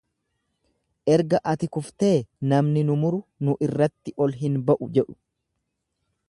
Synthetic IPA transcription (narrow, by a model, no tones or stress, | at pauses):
ʔɛɾɡɐʔɐt̪ɪkʊft̪e̞ːnɐmnɪnʊmʊɾʊnʊʔɪrːɐt̪ːɪʔɔlɦɪnbɐʔʊd͡ʒɛᶑʊ̥